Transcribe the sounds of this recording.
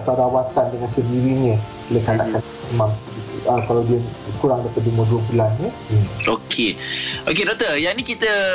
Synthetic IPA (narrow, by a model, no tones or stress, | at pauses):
at̪awdawat̪andəŋãnsəndiɾiɲə̃ | ləkanakan | əmã | əkalawdiəkuɾaŋdapat̪̚duimuduəbulanɲə | okʰeʔokedɔt̪əjanikit̪ə